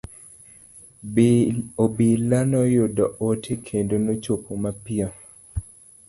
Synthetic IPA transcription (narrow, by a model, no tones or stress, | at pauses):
obilanɔjʊdɔotʰekʰendonot͡ʃopomapiɔ